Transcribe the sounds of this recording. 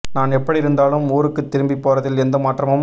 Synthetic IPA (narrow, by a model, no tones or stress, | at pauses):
naːnɛpːɐɽiɪɾɯnd̪aːlɯmuːɾɯkːɯt̪ːɪɾɯmbipːoːɾɐðɪlɛnd̪ɐmaːʈrɐmɯm